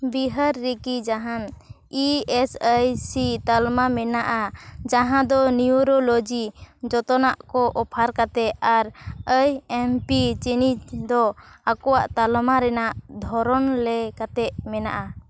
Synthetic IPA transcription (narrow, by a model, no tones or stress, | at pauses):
biɦəɾːikid͡ʒaɦan | iɛsəjsit̪almamɛnaʔad͡ʒaɦãd̪ɔniuɾolod͡ʒid͡ʒɔt̪ɔnaʔkɔʔɔpʰaɾkat̪ɛaɾəjɛmpit͡ʃɛnid͡ʒd̪ɔakɔwaʔt̪almaɾɛnaʔd̪ʱɔɾɔnlɛkat̪ɛʔmɛna̰ʔa